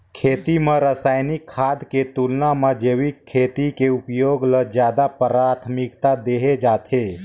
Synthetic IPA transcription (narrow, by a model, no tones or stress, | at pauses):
kʰeːt̪iməɾəsaːɪnɪkʰːaːd̪ket̪ulnaməd͡ʒeʋikʰːeːt̪ikeupjoːɡləd͡ʒjaːd̪apəɾaːt̪ʰmɪkt̪ad̪eːɦed͡ʒaːt̪ʰe